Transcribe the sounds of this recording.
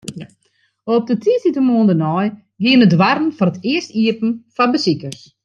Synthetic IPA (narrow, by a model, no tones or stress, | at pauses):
op̚dətʰiəsitəmoəndənɔj | ɡiənədwarn̩fɔnətɪəstiəpn̩fɔbəsikərs